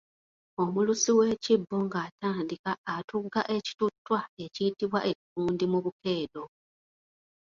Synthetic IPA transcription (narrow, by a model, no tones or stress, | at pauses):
o̞mulusiwe̞ːcibːo̞ŋɡaːtaːndikaːtuɡaʔe̞ci̥tutːwae̞ciitiβwaʔe̞cikuːndimuβuke̞ːdo̞